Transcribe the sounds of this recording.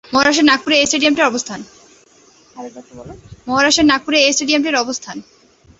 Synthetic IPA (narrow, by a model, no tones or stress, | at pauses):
mɔɦaɾaʃeɾnak̚puɾeesʈeɖijamʈeɾɔbost̪ʰan | aɔʈbɔlomɔɦaɾaʃeɾnak̚puɾeesʈeɖijamʈeɾɔbost̪ʰan